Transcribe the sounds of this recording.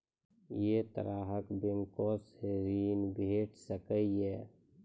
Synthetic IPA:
jet̪ə̰ɾaːɦəkbeŋkoːsheːɾiːnbʱeːʈsəkəiɦɛː

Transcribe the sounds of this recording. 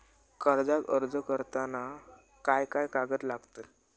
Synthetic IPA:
kəɾd͡zakəɾd͡zəkəɾt̪ana | kajkajkaɡət̪laɡt̪ə

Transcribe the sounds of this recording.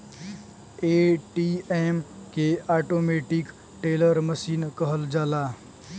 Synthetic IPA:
eʈieːmkeaːʈoːmeːʈɪk | ʈeːləɾməsiːnkəɦəld͡ʒaːlaː

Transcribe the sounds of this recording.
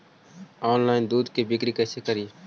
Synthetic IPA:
oːnlaːɪnd̪uːd̪keːbɪkɾiːkəːseːkəɾiː

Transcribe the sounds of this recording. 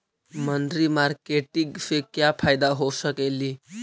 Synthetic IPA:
mənd̪ɾimaɾkeʈiɡfekjapʰaːɪd̪aɦosəkeli

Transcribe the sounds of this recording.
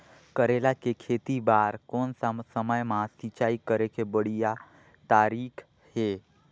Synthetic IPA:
kəɾeːlakekʰeːt̪ibaːɾkɔːnsasəməjmãsit͡ʃaːikəɾekebəɽ̤ija | t̪aːɾiːkʰ | ɦeː

